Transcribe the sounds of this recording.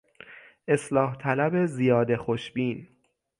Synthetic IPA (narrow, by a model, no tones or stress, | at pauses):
ʔe̞slɒːht̪ʰælæbe̞zijɒːd̪e̞xoʃbiːn